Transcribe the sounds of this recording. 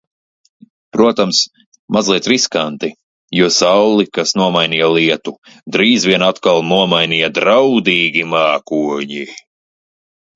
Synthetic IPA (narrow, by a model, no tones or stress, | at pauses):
pɾuɔt̪ams | mʔazlˠiɛt̪ɾiskant̪i | juɔsawlˠikasnuɔmajniːjalˠiɛt̪u | d̪ɾiːzviɛnat̪kalˠnuɔmajnijad̪ɾawd̪iːɡʲimaːkuɔɲi